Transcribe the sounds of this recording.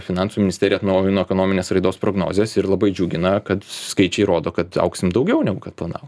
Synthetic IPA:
fʲɪnɑˑnsumʲɪnʲɪst̪ʲæːɾʲjɛɐt̪nɐʊjɪnoːɛkoːnoːmʲɪnʲeːsɾɐɪd̪oːspɾoːɡno̰ːzʲeːsɪɾlˠɐbɐɪd͡ʒʲuːɡʲɪnɐkɐt̪skɐɪt͡ʃʲɛɪɾoːd̪oːkɐt̪ɐ̰ʊksʲɪmd̪ɐʊɡʲɛʊnʲɛɡʊkɐt̪plˠɐnɑ̰ːʋo

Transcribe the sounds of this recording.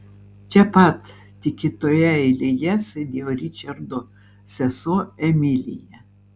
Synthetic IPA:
t͡ʃʲɛpɐt̪ | t̪ʲɪkʲɪt̪oːjɛɛɪlʲijɛsʲɐd̪ʲeːjoɾʲɪt͡ʃʲɐɾd̪o | sʲɛsoːɛmʲɪlʲɪ̰jɛ

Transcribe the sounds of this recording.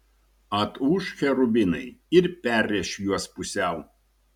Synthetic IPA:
ɐt̪uʃxʲɛɾʊbʲɪnɐɪɪɾpʲæɾʲːɛʃʲjuɔspʊsʲɛʊ

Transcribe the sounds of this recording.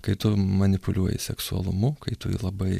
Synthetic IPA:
kɐɪt̪ʊmɐnʲɪpʊlʲuɔjɪ̰sʲɛksuɐ̰lˠʊ̰mʊkɐɪt̪ʊ̰lˠɐbɐɪ

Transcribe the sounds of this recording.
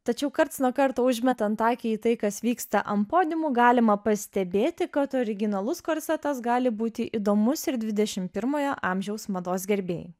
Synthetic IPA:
t̪ɐt͡ʃʲɛʊkɐɾt̪snuɔkɐɾt̪oːʊʒʲmʲɛt̪ɐnt̪ɑːkʲɛiːt̪ɐɪkɐsʋʲiːkst̪ɐʔɐmpoːd̪ʲɪmuɡɑːlʲɪmɐpɐsʲt̪ʲɛbʲeːt̪ʲɪkɐt̪oːɾʲɪɡʲɪnɐlˠʊskoːɾʲsʲɛt̪ɐsɡɑːlʲɪbuːt̪ʲɪʔiːd̪oːmʊsɪɾd̪ʲʋʲɪd̪ʲɛʃʲɪmpʲɪɾmoːjoʔɑːmʲʒʲɛʊsmɐd̪oːsɡʲɛɾʲbʲḛːj

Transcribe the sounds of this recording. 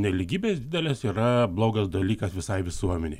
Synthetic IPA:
nʲɛlʲɪɡʲiːbʲeːsd̪ʲɪd̪ʲɛlʲɛsiːɾɐblˠoːɡɐsd̪ɐlʲiːkɐsʋʲɪsɐɪʋʲɪsuɔmʲɛnʲeɪ

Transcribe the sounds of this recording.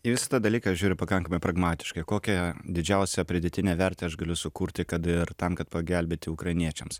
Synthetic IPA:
ɪʋʲɪsɐt̪ɐd̪ɐlʲiːkɐʒʲuːɾʲɪpɐkɐŋkɐmɐɪpɾɐɡmɑːt̪ʲɪ̥ʃkɐɪkoːkʲɛd̪ʲɪd͡ʒʲɛʊsʲɛpʲɾʲɪd̪ʲɛt̪ʲɪnʲeːʋʲɛɾʲt̪ʲeːɐʒɡɐlʲʊsʊkuːɾʲt̪ʲɪkɐt̪ɪrt̪ɐmkɐt̪pɐɡʲɛlʲbʲeːt̪ʲɪʊkɾɐɪnʲiɛt͡ʃʲɛms

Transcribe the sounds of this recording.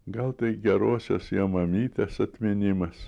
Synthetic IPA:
ɡɐlˠt̪ɐɪɡʲɛɾoːsʲosjɛmɐmʲiːt̪ʲesɐt̪ʲmʲɪnʲɪmɐs

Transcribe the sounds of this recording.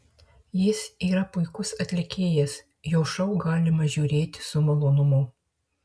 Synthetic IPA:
jɪsiːɾɐpʊɪkʊsɐt̪ʲlʲɪkʲeːjɛs | joːʃɐʊɡɑːlʲɪmɐʒʲuːɾʲeːt̪ʲsʊmɐlˠʊnʊmʊ

